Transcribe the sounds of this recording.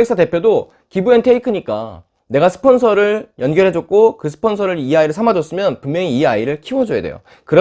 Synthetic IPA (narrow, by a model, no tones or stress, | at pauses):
ek̚s͈ʰate̞pʰjodo | kibue̞ntʰe̞ikʰɯɲik͈a̰ | ne̞ɡasʰɯ̥pʰʌnsʰʌɾɯɭjʌnɡjʌɾɦe̞d͡ʑʌk̚k͈ʰokɯsʰɯ̥pʰʌns̬ʰʌɾɯɾiaiɾɯɭsʰamad͡ʑʌs͈ɯmjʌnpummjʌŋiːaiɾɯɭkʰiwʌd͡ʑojedḛjo̰ | kɯɾʌ